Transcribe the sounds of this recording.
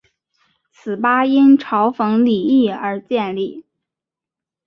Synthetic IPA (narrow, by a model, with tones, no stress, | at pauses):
t͡sʰɹ̩˨˩pa˥i˥nʈ͡ʂʰɑ˧˥ʊfɤ˧˥ŋli˨˩i˥˩ə˞˧˥t͡ɕjɛ˥˧nli˥˩